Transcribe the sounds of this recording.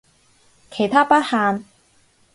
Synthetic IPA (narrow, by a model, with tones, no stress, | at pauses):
kʰe˨˩jt̪ʰaː˥pɐ˥t̚haː˧n